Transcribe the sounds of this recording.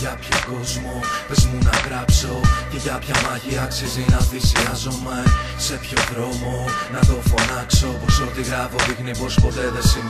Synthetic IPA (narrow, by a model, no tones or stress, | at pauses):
ʝɐpçoko̞zmopezmunɐɣɾɐpso̞ce̞ʝɐpçɐmɐʝiɐksizinɐθisiɐzumese̞pçoɣɾo̞mo̞nɐðo̞fonɐkso̞posot̪iɣɾɐvovixnipo̞spot̪e̞ðesin